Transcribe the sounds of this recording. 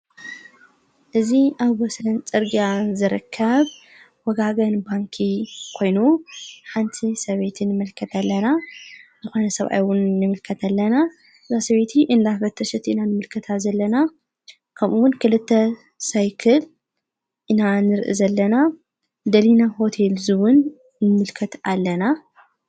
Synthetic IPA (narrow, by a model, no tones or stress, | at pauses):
ʔɨziʔaβwɔslɐnt͡sʼɨɾɡjazɨɾɨ̰kʰːɐβ | wɔɡaɡɐnbaŋkʰikʰo̞jnuħant̪ʰisɐβe̞t̪ʰɨnːɨmɨlkʰɐt̪ʰɐlːɐnazɨxo̞nɐsɐβʔa̰jwʊnːɨmɨlkʰɐt̪ʰɐlːɐna | ɨzasɐβe̞t̪ʰiʔɨnd̪afɐt̪ʰːɐʃɛt̪ʰʔɨnanɨmɨlkʰɨt̪ʰazɐlːɐna | kʰɐmʔuwʊnkʰɨlɨt̪ʰːɐ | sajkʰɐl | ʔɨnanɨɾʔɨ̰zɐlːɐna | d̪ɐlinaho̞t̪ʰelzɨwʊnː | ɨmɨlkʰɐt̪alːɐna